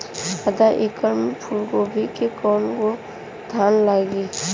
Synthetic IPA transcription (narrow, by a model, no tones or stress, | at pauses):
əd̪aʔekəɾmɪpʰulkobʱikekɔnko | d̪ʱaːnlaɡi